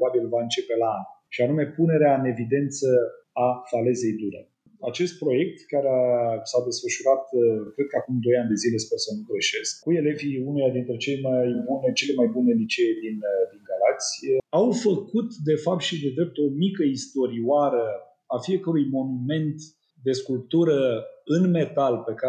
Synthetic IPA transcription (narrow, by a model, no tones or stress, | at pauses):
pbabilvaɨnt͡ʃe̞pe̞laanʃianume̞pune̞ɾeaɨne̞vid̪e̞nt̪sə | afale̞ze̞jd̪uɾḛ | at͡ʃe̞st̪̚pɾo̞je̞k̚t̪kaɾeasad̪e̞sfəʃuɾat̪kɾe̞d̪̚kəakumd̪o̞jand̪e̞zilespersəmkɾeʃe̞sk̚kue̞le̞viunelad̪int̪ɾe̞t͡ʃelmajbunet͡ʃe̞le̞majbunelit͡ʃed̪ind̪iŋɡalakt̪sʲawfəkut̪d̪e̞fap̚t̪ʃid̪e̞d̪ɾe̞p̚t̪o̞mikəist̪o̞ɾioaɾə | afie̞kəɾujmo̞nume̞nt̪ | d̪e̞skulp̚t̪uɾəɨnme̞t̪alpe̞ka